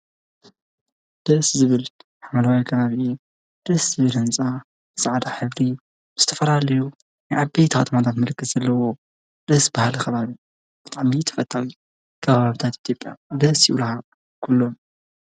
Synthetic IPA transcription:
d̪̥ɐszɨβɨl | ħamɐlawajkʰɐβaβi | d̪̥ɐszɨβɨlhɨnt͡sʼa | bɨsaʕd̪aħɨβd̪i | bɨz̥ɨ̥t̪ʰɐfɐlalɐju | najʕabejt̪ʰxɐ̰t̪ʰɐmat̪ʰat̪mɐlkːɨt̪z̥ɐlːɐwo̞ | d̪̥ɐsbahalkʰɐβaβi | b̥ɨt̪ʼaʕmit̪ʰɐ̥fɐt̪ʰːawi | kʰɐβaβaβɨt̪ʰat̪ʔit̪ʰjo̞pʼja̰d̪ɐsiʔulha | kʰulːom

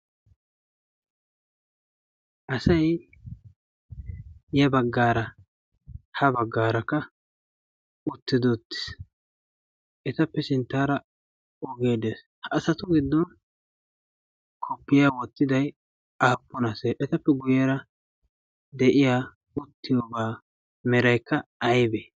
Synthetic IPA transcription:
ʔɐsɐj | jɛbɐɡːaːɾɐ | hɐbɐɡːaːɾɐkːɐ | ʊt̪ːɪd̪ɔt̪ːɪ̥s | ʔɛt̪ɐpːɛsɪnt̪ːaːɾɐ | ɔɡeːd̪eːs | hːsɐt̪ʊɡɪd̪ːɔn | kʰɔpːɪjawɔt̪ːɪd̪ɐj | aːpːɔnɐseːʔɛt̪ɐpːɛɡʊjɛɾɐ | d̪ɛʔɪjaː | ʊt̪ːɪjobaː | mɛɾɐjkːɐɐjbe

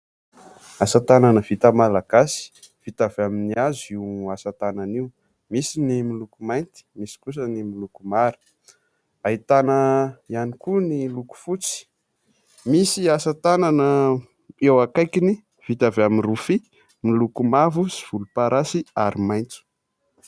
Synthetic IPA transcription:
asat̪ananəv̥it̪amalaɡ̥asi̥ | v̥it̪avaminiaziasat̪ananiu | misinimilukumajnt̪i̥misi̥kus̬ənimilukumaɾi̥ | ait̪anəianikuniluku̥fut͡si̥ | misiasat̪ananə | ewakajkini | v̥it̪avaminrufi | milukumavusiv̥ulupaɾasiaɾimajnt͡su̥

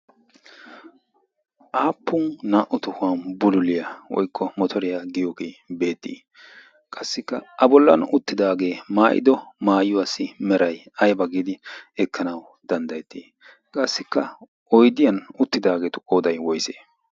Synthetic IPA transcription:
ʔaːpːʊnnaːʔʊt̪ʊhʊɐnbʊlʊlɪjɐwɔ̰jkʰːɔmɔt̪ʰɔɾɪjaɡɪjoːɡeːbe̞ːt̪ːḭː | kʼɐsːɪkːɐɐbɔlːɐ̰nʊt̪ːɪd̪aːɡe̞ːmaːʔɪ̰d̪ɔmaːjʊwasːɪmɛɾɐj | ɐjbɐɡiːd̪ɪɛkʰːɐnɐw | d̪̥ɐnd̪ɐjɛt̪ːiː | kʼɐsːɪkːɐ | ʔɔjd̪ɪjɐnʊt̪ːɪd̪aːɡeːt̪ʊʔʼoːd̪ɐjwɔjsḛː

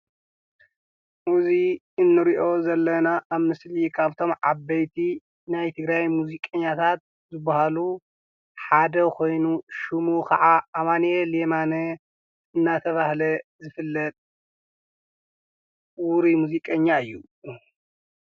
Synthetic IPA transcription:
muzi | ɨnːɨɾiʔo̞zɐlːɐnaʔːβmɨslikʰaβt̪ʰo̞mʕabɐjt̪ʰi | najt̪ʰɨɡɾajmuzikʼɐɲːat̪ʰat̪̚ | zɨbːahalu | ħad̪ɐkʰo̞jnuʃumukʰɐʕaamanelemanɐ | ɨnːat̪ʰɐβahlɐzɨfɨlːɐt̪ʼ | wuɾimuzikʼɐɲːaɨjːu

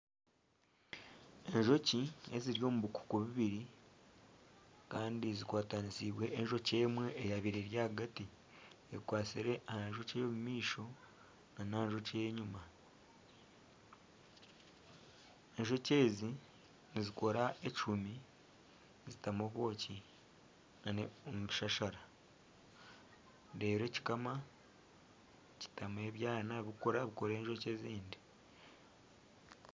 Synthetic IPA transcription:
e̞ɲʒo̞cie̞ziɾjo̞ːmuβuku̥kuβiβiɾi | kaːndizikwaːtanisiβwe̞ʔːnʒo̞ce̞ːmwe̞ʔːjaβiɾe̞ɾjaːhaɡati | ekwaːsiɾe̞ʔahanʒo̞cejomumiːʃo̞ | nanaːnʒo̞cejeɲuma | enʒo̞ce̞ːzi | niziko̞ɾae̞t͡ʃumi | zitamoβo̞ːci | naneomuβiʃaʃaɾa | de̞ːɾeːci̥kama | ci̥tame̞ːβjaːnaβikoɾaβiko̞ɾe̞ːɲʒoce̞ziːndi

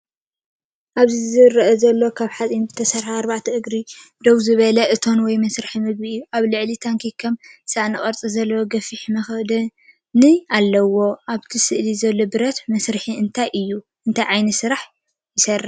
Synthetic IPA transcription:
ʔaβzizɨrɐʔɐzɐlːo̞kʰaβħat͡sʼinbɨt̪ʰɐsɐɾħaːɾbaʕt̪ʰɐɨɡɾid̪owzɨβɐlɐʔɨt̪ʰo̞nwɔjmɐsɾɨħimɨɡ̚biɨjːuʔaβlɨʕlit̪ʰaŋkʰikʰːɐmsaʔnɨχʼɐɾt͡sʼizɐlːɐwoɡɐfiħmɐxd̪ɐ | nɨalːɐwo̞ʔaβt̪ʰisɨʔlizɐlːo̞bɨɾɐt̪mɐsɾɨħiɨnt̪ʰajʔɨjːu | ʔɨnt̪ʰajʕajnɐsɨɾaħ | jɪsɐrːa

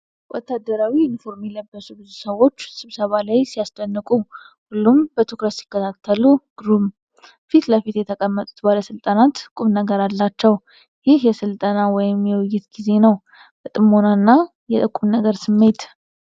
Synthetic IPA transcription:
wʔɔt̪ːad̪əɾawiɪnfo̞ɾmiləbːəsubɨzusəwo̞t͡ʃːsɨβsəβalajsijast̪ʼənːɨkʼu | hulːumbət̪ʰokɾəsi̥kːət̪ʰat̪ʰːəluɡ̥ɾum | fit̪ləfit̪jɛt̪ʰəkʼəmːət̪ʼu̥t̪baləsɨlt̪ʼanat̪kʼumnəɡəɾalːat͡ʃːɛw | jɪhjɛsɨlt̪ʼənawɔjɪmjɛwjːɪt̪ɡize̞nəw | b̥ət̪ʼɨmonanːa | jɛt̪ʼəkʼːumnəɡəɾsɨmːe̞t̪

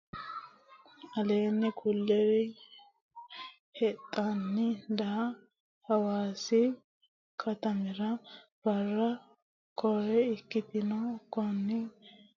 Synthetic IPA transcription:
ɐleːnːɛkʰʊlːɛwɛ | hɛt̪ʼːanːɪd̪a | hɐwaːsɪ | kʰɐt̪ɐmɪɾɐ | b̥ɐrːɐ | kʰɔɾɛɪkːɪt̪ɪnɔkɔnːɪ

